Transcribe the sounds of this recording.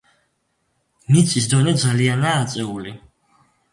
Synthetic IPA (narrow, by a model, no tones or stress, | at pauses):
mit̪sʼisd̪ɔnɛd̪zalianaːt̪sʼɛuli